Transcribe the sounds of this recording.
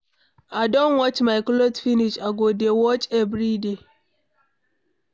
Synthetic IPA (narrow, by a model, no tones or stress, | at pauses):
adonwɔt͡ʃmaɪklotfiniʃaɡodewɔt͡ʃevɾide